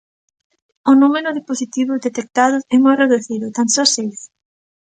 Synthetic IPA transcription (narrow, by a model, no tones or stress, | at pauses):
ʊnumeɾʊðeposit̪iβʊzðet̪ek̚t̪aðʊɛmojreðuθiðʊt̪ansɔsejs